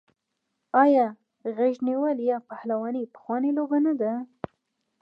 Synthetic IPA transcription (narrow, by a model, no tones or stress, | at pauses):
ɑjɑ | ɣaʒniwəljɑpahlawɑnipə̥xwɑnelobanad̪a